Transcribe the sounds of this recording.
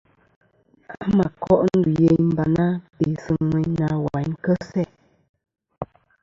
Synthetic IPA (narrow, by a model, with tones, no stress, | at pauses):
a˦ma˨kɔ˦ʔn̩˦du˨je˦m̩˦ba˨na˦be˨sɨ˨ŋmə˨na˨˦wa˨jŋ˦kə˦sɛ˦˨